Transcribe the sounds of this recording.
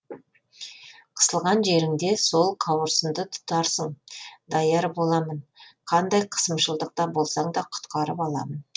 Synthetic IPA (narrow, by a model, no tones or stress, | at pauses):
qʰə̥səlˠʁɑnʒe̞ɾɪŋd̪e̞so̞lˠqʰɑwəɾsəmd̪ət̪ʰʊ̥t̪ɑɾsəŋd̪ɑjɑɾbo̞lˠɑmənqʰɑnd̪ɑjqʰə̥səmʃəlˠd̪əq̚t̪ɑbo̞lˠsɑɴd̪ɑqʰʊ̥t̪qɑɾəpɑlˠɑ̰mən